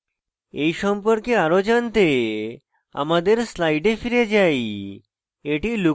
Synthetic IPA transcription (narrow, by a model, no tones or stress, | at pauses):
eiɕəmpəɾkeaɾod͡ʑənt̪e | a̰mad̪eɾslaiɖefiɾed͡ʑai | eʈiːlu